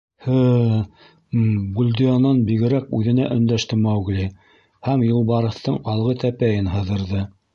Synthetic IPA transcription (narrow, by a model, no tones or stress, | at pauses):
hɘ | bulʲd̪ijɑnɑnbiɣɘ̆ɾækʉðɘ̆næʔɵ̆nd̪æʃt̪ɘmɑwɡlʲi | hæmjɤ̆lˠβɑɾɤ̆θt̪ɤɴɑlˠʁɤt̪æpæjɘnɦɤ̆ðɤ̆ɾðɤ